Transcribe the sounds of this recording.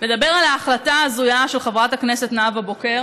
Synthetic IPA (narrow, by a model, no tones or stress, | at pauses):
le̞d̪abe̞ʁalaːχlataːzujaʃelχevʁataknesetnaavaboke̞ʁ